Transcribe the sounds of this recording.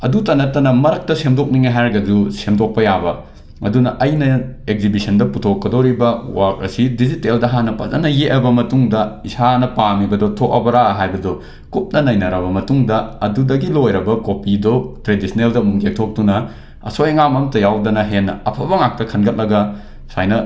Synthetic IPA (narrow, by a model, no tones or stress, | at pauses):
ɐ̰dutɐnɐtːɐnɐmɐɾɐk̚tɐsemdok̚niŋaɦajɾɐɡɐdusemdok̚pɐjabɐ | ɐ̰dunɐʔɐjnɐeɡ̚zibisʰɐndɐputʰokːɐdoɾibɐwak̚ɾɐ̰sidiziteldɐɦanɐpɐ̰zɐ̰nɐjeʔɐbɐmɐtuŋdɐisanɐpamibɐdɔtʰok̚ɐbɐɾaɐɦajbɐdɔ | kup̚nɐnɐjnɐɾɐβɐmɐtuŋdɐɐdudɐɡilojɾɐbɐkopidotɾedisʰɐneldɐmuŋɡek̚tʰok̚dunɐ | ɐ̰sojŋamɐmtɐjawdɐnɐɦenːɐ̰ɐ̰pʰɐbɐŋak̚tɐkʰɐnɡɐt̚lɐɡɐ | sajnɐ